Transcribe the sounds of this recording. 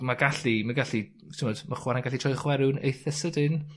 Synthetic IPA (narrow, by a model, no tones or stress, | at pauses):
maɡaɬimaɡaɬi | sʰɪmɔdmaχwaɾanɡaɬitʰrɔjχwɛɾʊnḛjθɛsədɪn